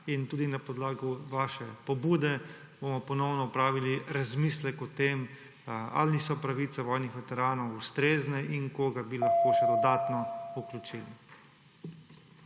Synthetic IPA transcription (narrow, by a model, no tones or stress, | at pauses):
int̪uːd̪inapɔd̪laːɡuʋaʃɛpɔbuːd̪ɛ | bomɔpɔnɔwnɔupɾaːʋiliɾazmislɛkɔt̪em | a̰lnisɔpɾaʋit̪sɛʋɔjnixʋɛt̪ɛɾaːnɔwust̪ɾeːznɛʔiŋkoɡabilaxkoːʃɛd̪ɔd̪aːt̪nɔuklut͡ʃilḭ